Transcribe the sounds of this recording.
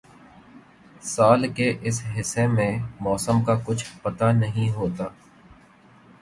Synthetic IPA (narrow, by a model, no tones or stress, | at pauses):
saːlkeʔɪsɦɪsːemẽmɔːsəmkakʊt͡ʃʰpɐt̪anɐɦĩɦoːt̪aː